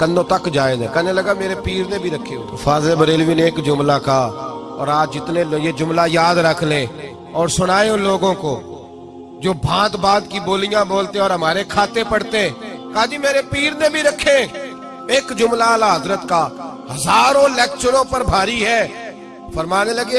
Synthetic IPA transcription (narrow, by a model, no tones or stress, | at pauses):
kə̃nd̪õːt̪ɐkd͡ʒaːed̪ẽkɛneləɡameːɾepiːɾnebʱiɾɐkʰːḛt̪ʰːfʰaːzlebəɾeːlʋiːneːkd͡ʒʊmlaka | ɔ̰ːɾaːd͡ʒɪt̪nẽljed͡ʒʊmlajaːd̪ɾəkʰlẽː | ɔːɾsʊɽ̃aːeʊ̃loːɡõko | d͡ʒoːbʱãːt̪baːd̪kiboːlɪjãboːlt̪ẽɔːɾɦəmaːɾekʰaːt̪epəɽt̪eɛ̃ːkaːd͡ʒ̪iːmeːɾepiːɾnebʱiɾɐkʰːẽ | eːkd͡ʒʊmlalaɦəzɾət̪kaːhɐzaːɾõlɛːkt͡ʃəɾõpəɾbʱaːɾiɦɛː | fəɾmaːneləɡe